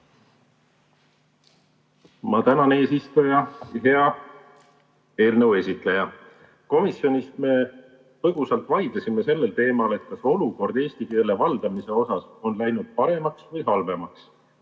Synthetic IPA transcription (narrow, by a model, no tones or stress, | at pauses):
mɑt̪ænɑne̞ːsist̪ojɑɦe̞ɑ | e̞ːlnəwe̞sit̪lejɑ | ko̞misjo̞nist̪me̞ | t̪ɤɡ̥usɑlt̪ˑvɑjd̪̥lɑsime̞se̞lːelt̪e̞ːmɑle̞t̪̚kɑso̞luko̞rd̪̥eːsʲt̪ikielːevɑld̪̥ɑmise̞o̞sɑso̞nlæjnud̪̥̚pɑɾe̞mɑksvɤjɦɑlve̞mɑks